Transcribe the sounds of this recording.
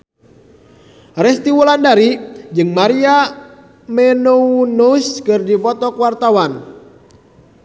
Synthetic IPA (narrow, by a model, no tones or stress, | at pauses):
rɛst̪iwulandaɾid͡ʒɨŋmaɾia | mɛnuunuskɨrdipɔt̪ɔkwart̪awan